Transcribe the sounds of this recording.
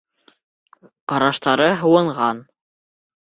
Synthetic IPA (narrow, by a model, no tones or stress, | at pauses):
qɑɾɑʃt̪ɑɾɤɦɤ̆wɤ̆ɴʁɑn